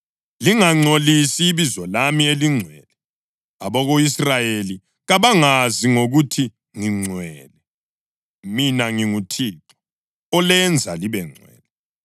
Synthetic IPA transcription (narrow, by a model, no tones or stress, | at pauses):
liŋaŋ͡ǀolisiːβizɔlamieliŋ͡ǀʱwɛːlɛ | aβɔɣoisrajeli | ɣaβaŋaziŋoɣutʰi | ŋiŋ͡ǀʱwɛːlɛ | minaŋiŋutʰiːǃɔ̥ | ɔlɛnd͡zʱaliβɛŋ͡ǀʱwɛ̰ːlɛ